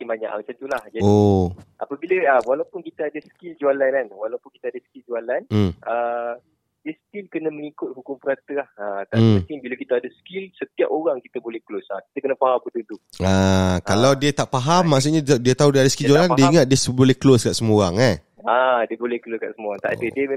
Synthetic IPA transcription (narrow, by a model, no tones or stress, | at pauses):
ibaɲa̰ʔmat͡ʃamt̪ulahd͡ʒaoʔapəbiləawalawpʊnkit̪əadəsə̥kild͡ʒualananwalawpʊnki̥t̪adəskild͡ʒualan̩ə | diəsə̥t̪ilkənəməŋikʊt̪̚hukʊmpəɾat̪əlahət̪ak̪iŋbiləkit̪əadəsəkilsət̪ia̰poɾaŋkit̪əbolɛhklosaki̥t̪əkənəpaɦampədənd̪uakkalawdiət̪aʔpaɦamːaʔs̬uʔɲadiət̪aɦudiəadəskild͡ʒualandiəiŋət̪̚diəsbolɛhkloskaʔsəmoɾaŋa | adiəbolɛhkəloska̰ʔsəmoaŋt̪a̰ʔadədiəme